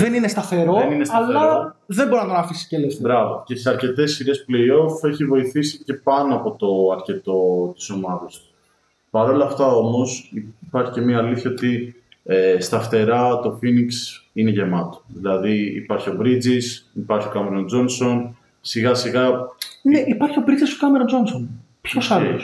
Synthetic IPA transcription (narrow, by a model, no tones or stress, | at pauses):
ðe̞ninest̪ɐθe̞ɾo̞eninesɐleɐðemboɾinɐt̪onɐfisiscelesbɾɐvo̰ce̞seɐɾce̞t̪e̞sçiɾe̞sple̞io̞fe̞çivo̞iθisice̞pɐnoɐpo̞t̪o̞ɐɾce̞t̪o̞t̪i̥so̞mɐðɐsu̥ | pɐɾo̞lɐft̪ɐo̞mo̞spɐɾçice̞miɐːliθçɐo̞t̪i | est̪ɐft̪e̞ɾɐt̪o̞finiksineʝe̞mɐt̪o̥ðilɐðiḭpɐɾçio̞bɾid͡zisipɐɾçio̞kɐmeɾond͡zo̞nso̞n | siɣɐsiɣɐneʔipɐɾçio̞bɾid͡zisokɐmeɾond͡zo̞nson | pçosɐles